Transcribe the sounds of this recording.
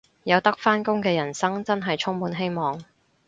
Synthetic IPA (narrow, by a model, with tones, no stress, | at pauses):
jɐ˨wt̪ɐ˥k̚faː˥nkʊ˥ŋkɛː˧jɐ˨˩nsɐ˥ŋt͡sɐ˥nɦɐ˨jt͡ʃʰʊ˥ŋmuː˨˧nɦe˥jmɔː˨˩ŋ